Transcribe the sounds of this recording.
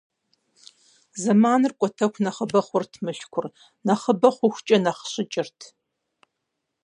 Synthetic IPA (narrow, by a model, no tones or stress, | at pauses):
zɐmaːnɨrkʷʼɔtʰɐkʷnɐχəbɐχʷʊrtʰmɨɬkʷʰʊr | nɐχəbɐχʷʊxʷt͡ʃʼɐnɐχɕɪt͡ʃʼɪrtʰ